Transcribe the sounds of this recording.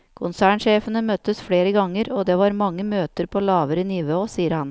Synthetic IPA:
kʰʊnsæːɳʂeːfənəmœt̪əsfɽeːɾəɡɑŋːəɾoːd̪eːʋɑːɾmɑŋːəmøːt̪əɾpʰoːlɑːʋəɾiːniːʋəoːsiːəɾhɑn

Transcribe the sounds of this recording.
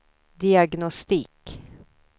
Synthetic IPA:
d̪ɪaɡnɔst̪iːk

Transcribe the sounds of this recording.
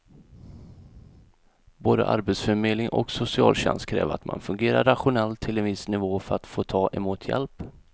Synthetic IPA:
boːd̪ə̰ʔa̰ɾbɛt̪sfœɾmeːd̪lɪŋʔɔ̰ksʊsɪɑ̰ːlɕɛ̰nst̪kʰɾɛ̰ːvat̪ma̰nfɵŋɡeːɾaɾːaɧʊnɛlt̪ʰːɪlɛnvɪsnɪvoːfœɾat̪foːt̪ʰɑːʔɛmuːt̪ʰjɛ̰lp

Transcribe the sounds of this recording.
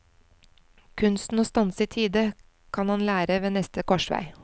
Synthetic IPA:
kʰʉnst̪n̩oːst̪ɑnsiːt̪ʰiːd̪ə | kʰɑnhɑnlæːɾəʋeːnɛst̪əkɔʃʋæ̰ɪ

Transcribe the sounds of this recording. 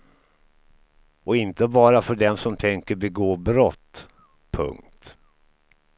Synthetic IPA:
ʔɔɪnt̪əbɑːɾafœɖɛnsɔmt̪ʰɛŋkəɾbɛɡoːbɾɔt̪ː | pʰɵ̰ŋk̚t̪

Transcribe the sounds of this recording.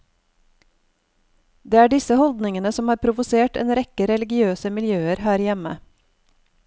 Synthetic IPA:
d̪eːæːɖɪsəhɔld̪nɪŋənəsɔmhɑːɾpʰɾʊʋʊseːʈḛːnɾɛkəɾɛlɪɡɪøːsəmɪljøːəɾhæːɾjɛmə̰

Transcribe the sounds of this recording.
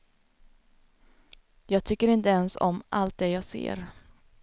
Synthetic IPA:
jɑːɡ̚t̪ʰʏkːəɾɪnt̪əɛnsɔ̰mʔa̰lt̪̚d̪ɛjɑːɡsḛːɾ

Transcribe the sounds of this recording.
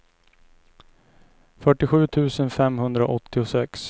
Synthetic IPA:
fœʈːɪɧʉ̟ːt̪ʰʉ̟ːsənfɛmhɵnd̪ɾa̰ʔɔt̪ʰːɪʊsɛks

